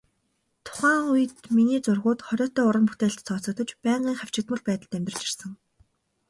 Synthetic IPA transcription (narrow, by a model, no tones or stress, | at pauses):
t̪ʰʊ̥χæːŋujɘ̆t̪miniːt͡sʊrʁʊːt̪χɔɾʲɔːt̪ɔːʊɾə̆mput̪eːɬt̪t͡sʰɔːt͡sɞ̆t̪ɞ̆t͡ɕpæːɴɢiːŋχaw̥t͡ɕɪ̆kt̪mə̆ɮpæːt̪ə̆ɮt̪æmʲt̪rə̆t͡ɕi̥rsə̆ŋ